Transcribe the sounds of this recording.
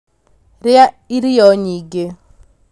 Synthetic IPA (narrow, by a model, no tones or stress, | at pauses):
ɾɪa | iɾijɔɲiɡe